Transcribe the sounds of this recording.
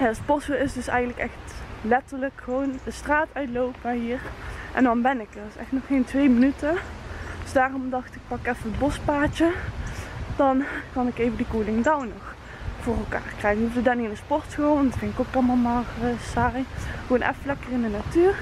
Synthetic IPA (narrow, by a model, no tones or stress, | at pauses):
jaspɔsəɪsdɵsɛjəntləkɛxtlɛtəɹləkxəʋowndəstraːtœɥtlowpəɦiːrʔɛ̰ndɑnbɛnɪkərɪsɛxtnɔχːejntʋejmənytədøsdaːrɔmdɑxtɪk̚pɑkɛfəətbɔspaːt͡ʃə | d̥ɑnkɑnɪkejvədikuːlɪŋdawnɔx | v̥oːrɛlˠka̰ːrkrɛjxənufdədaninəspɔrtxəondɑtfɪnɪkokɑlˠmalˠmaːrəsarijʋoːnʔɛ̰fəlɛkərɪndənatyːr